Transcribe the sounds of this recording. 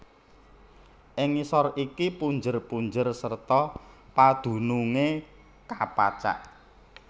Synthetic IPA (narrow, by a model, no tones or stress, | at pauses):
ʔɪŋisɔrikipuɲd͡ʒərpuɲd͡ʒərsərt̪ɔpad̪̥ṳnuŋe | kapa̰t͡ʃa̰ʔ